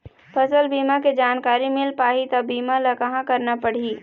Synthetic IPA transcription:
pʰɐsəlbiːmaked͡ʒaːnkaːɾimɪlpaːɦit̪ɐbiːmalɐkɐɦãkɐɾnapɐɽ̤iː

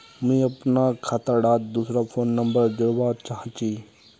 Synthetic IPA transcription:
mĩɐpnakʰat̪əɽaːt̪̚d̪uːsɾapʰoːnːə̃mbəɾd͡ʒʊɽbaːt̪t͡ʃaɦãt͡ʃiː

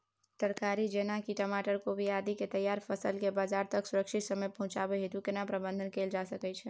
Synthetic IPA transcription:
t̪əɾkaɾid͡ʒenakiʈəmaʈəɾkobʱiad̪iket̪əjːaɾpʰəsəlkebad͡ʒaɾt̪əksuɾəkʃit̪səmejpəɦũt͡ʃabeɦid̪ukenapɾəbə̃nd̪ʱənkeld͡ʒasəkɛt͡ʃʰɛ

